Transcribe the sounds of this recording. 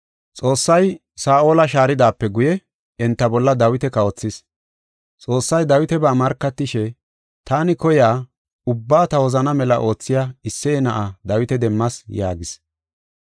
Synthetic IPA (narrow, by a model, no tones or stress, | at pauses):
t͡sʼo̞ːsːɐj | saːʔo̞ːlɐʃaːɾɪd̪aːpːɛɡʊjɛ | ɛnt̪ːɐbɔlːɐd̪ɐwɪt̪ɛkɐɔt͡sːɪs | t͡sʼo̞ːsːɐjd̪ɐwɪt̪ɛbaːmɐɾkːɐt̪ːɪʃɛ | t̪aːnɪkɔjaː | ʊbːaːt̪ɐwɔzɐnɐmɛlɐʔo̞ːt͡sːɪjaɪsːɛɛnɐʔɐd̪ɐwɪt̪ɛd̪ɛmːɐsjaːɡɪs